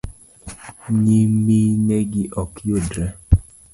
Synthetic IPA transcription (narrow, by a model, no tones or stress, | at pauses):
ɲimineɡiʔɔkjodɾɛ